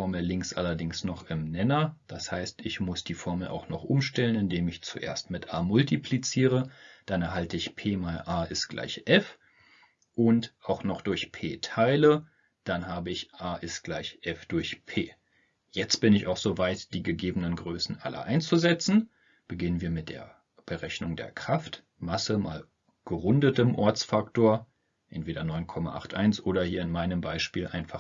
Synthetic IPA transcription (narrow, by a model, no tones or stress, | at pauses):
ɔɐml̩lɪŋksʔa̰lɐdɪŋsnɔχɪmnɛnɐd̥ashaɪstɪçmʊsd̥iːfɔɐməl̩ʔa̰ʊxnɔχʔʊmʃtɛlənɪndeːmɪçt͡suʔḛːɐstmɪtʰʔaːmʊltipʰlit͡siːʁəd̥anɛɐɦaltəɪçpʰeːmaɪʔaːɪstɡ̥la̰ɪçʔɛf | ʔʊntʔaʊxnɔχd̥ʊɐçpʰeːtʰaɪlə | d̥anɦaːbəɪçʔaːʔɪstɡ̥laɪçʔɛfd̥ʊɐçpʰḛː | jɛt͡stb̥ɪnɪçaʊxz̥ovaɪtd̥iːɡəɡeːbənənɡʁøːsn̩ʔa̰lə̰ʔa̰ɪnt͡st͡suzɛt͡sn̩ | b̥əɡɪnənviːɐmɪt̚d̥ḛːɐ | b̥əʁɛçnʊŋdḛːɐkʁ̥aft | masəma̰ːl | ɡ̥əʁʊndətəmʔɔɐt͡sfaktoːɐ | ʔɛ̰ntv̥eːdɐnɔʏnkʰɔma̰ʔa̰χtʔa̰ɪnsʔoːɾɐhiːɐɪnmaɪnəmbaɪʃpiːlʔaɪnfa